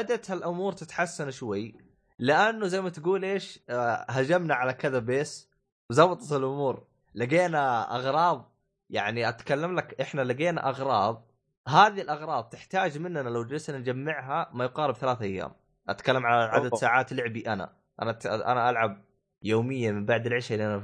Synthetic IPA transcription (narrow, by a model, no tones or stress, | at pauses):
ad̪at̪halʔʊmuːɾt̪ɪt̪ħasːanʃwajː | lɪʔanːuzajmat̪ɡuːlʔeːʃhad͡ʒamnaʕalakɪðabeːs | bzɑwːɑt̪ˤɑt̪ɪlʔʊmuːɾ | laɡeːnaʔɑɣɾˤɑːðˤ | ja̰ʕniʔat̪kalːamlakʔɪħnalaɡeːna̰ʔɑɣɾˤɑːðˤ | ɦaːðilʔɑɣɾˤɑːb̚ˤt̪ɪħt̪aːd͡ʒmɪnːanalawd͡ʒɾɪsnand͡ʒamːɪʕɦamajqɑːɾɪbθalaːθʔajːa̰ːm | ʔat̪kalːamʕalaʕa̰d̪ad̪saːʕaːt̪lɪʕbiʔana̰ | ʔa̰naʔa̰naʔalʕab̚ | joːmɪjːamɪmbaʕd̪ɪlʕɪʃaʔɪlːiʔana